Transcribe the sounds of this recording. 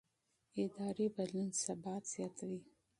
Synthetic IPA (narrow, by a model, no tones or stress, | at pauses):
ɪd̪ɑɾebalunsabɑt̪z̥jɑt̪ʰawi